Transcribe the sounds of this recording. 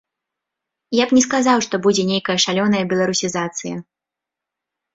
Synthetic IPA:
japnʲɛs̬kazawʂt̪ɔbud͡zʲɛnʲejkɐjɐʂalʲɔnɐjɐbʲɛlˠɐɾusʲizat̪sɨjɐ̰

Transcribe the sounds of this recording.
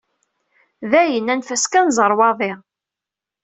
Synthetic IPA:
ðæjənːænfæskænzˤəɾˤwɑðˤɪʁ

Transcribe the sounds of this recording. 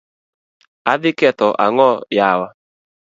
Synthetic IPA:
aðɪkɛtɔʔa̰ŋɔjawa

